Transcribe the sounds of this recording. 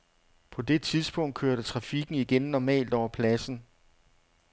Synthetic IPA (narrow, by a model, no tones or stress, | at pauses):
pʰɒ̽d̥e̝t͡sʰiðˠsb̥ɔ̽ŋ̰d̥̚kʰøɐɾət͡sʰʁɑ̈fiɡ̥n̩iɡ̥enːɒmɛ̰ːld̥ɒʊ̰ɐpʰlæsn̩